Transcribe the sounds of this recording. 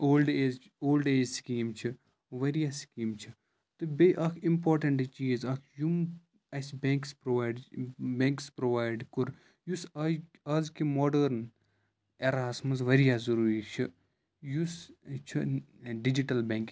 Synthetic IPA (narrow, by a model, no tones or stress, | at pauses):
oːlɖeːz | oːlɖeːzskiːmt͡ʃʰi | ʋɐɾijaskiːmt͡ʃʰi | t̪ubeʔɐkʰimpɔːɾʈɐɳʈt͡ʃiːzɐkʰjum | ɐsbẽŋkspɾoʋajɖbẽŋkspɾoʋaːjɖkuɾ | jus | ɐzkimɔːɖəɾn | eɾaːsmɐs̬ʋɐɾijaːzɐɾuːɾit͡ʃʰɨ | just͡ʃʰɨ | ɖid͡ʒiʈɐlbẽŋk